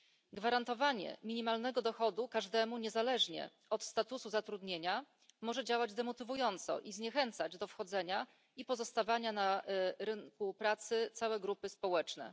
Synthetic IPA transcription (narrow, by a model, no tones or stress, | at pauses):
ɡvaɾant̪ɔvaɲɛ̰mʲiɲimalnɛɡɔd̪ɔxɔd̪ukaʐd̪ɛmuɲɛzalɛʐɲɛ̰ | ɔt̪st̪at̪usuzat̪ɾud̪ɲeɲa | mɔʐɛd͡ʑawad͡ʑd̪ɛmɔt̪ɘvujɔnt̪sɔ̰ʔizɲɛxɛnt̪sad͡ʑd̪ɔfxɔd̪zɛɲa | ipɔzɔst̪avaɲanaɾɘŋkupɾat̪sɘt̪sawɛɡɾupɘspɔwɛt͡ʂnɛ̰